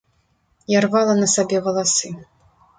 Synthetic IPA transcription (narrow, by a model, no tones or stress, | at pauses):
jarvalˠɐnɐsabʲɛɣɐlˠasɨ